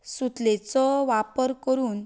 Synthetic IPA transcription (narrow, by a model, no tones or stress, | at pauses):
sut̪let͡sɔʋapəɾkəɾuːn